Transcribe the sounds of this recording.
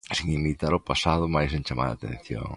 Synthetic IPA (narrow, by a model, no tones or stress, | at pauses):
siŋimit̪aɾʊpasaðʊmajsẽɲt͡ʃamʔa̰ɾa̰ːt̪ḛ̃n̟θjo̰ŋ